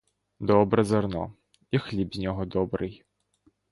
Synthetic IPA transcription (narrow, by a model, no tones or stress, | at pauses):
d̪ɔbɾɛzɐrnɔ̰ | ixlʲibzʲnʲɔɦɔd̪ɔbɾɨj